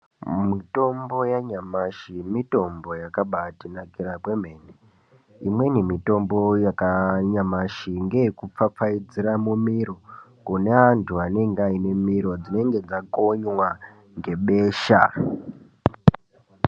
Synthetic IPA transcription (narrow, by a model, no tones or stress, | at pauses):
mito̞mbo̞jaɲamaʃimito̞mbo̞jakaɓatinakirakwe̞m̤eːne | imwe̞nemito̞mbo̞jakaɲamaʃiŋɡekup͡fap͡faid͡ziɾamumiɾokuneʋantʰuane̞ŋɡaine̞miɾo̞d͡zine̞ŋɡe̞d͡zako̞ɲwa | ŋɡe̞ɓeːʃa̰